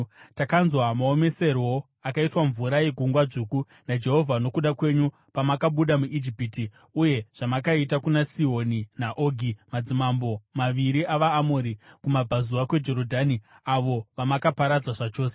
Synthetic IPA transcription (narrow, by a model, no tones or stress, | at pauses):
takanzwamaome̞se̞ɾo | akaitwaɱvuɾaje̞ɡʱuŋɡwad͡ʐuːku | nad͡ʒe̞ɦo̞vʱano̞kuɗakwe̞ɲu | pamakaɓuɗamuʔid͡ʒipiti | uje̞ʐ̥amakaitakunasio̞ninaʔoɡʱimad͡zimambo̞maʋiɾiʔaʋaːmoːɾikumab͡vʱazuwakwe̞d͡ʒe̞ɾo̞dʱani | aʋo̞ʋamakapaɾad͡zwaʐat͡ʃo̞ːse